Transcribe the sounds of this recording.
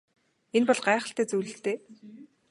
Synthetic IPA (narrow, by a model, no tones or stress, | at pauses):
enpɔɮɢæːχə̆ɬt̪eːt͡sujɮɘ̆ɬt̪eː